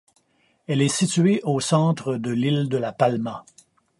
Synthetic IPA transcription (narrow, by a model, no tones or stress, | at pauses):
ɛlɛsit̪ɥeʔosɑ̃ːt̪ʁəd̪əlild̪əlapalma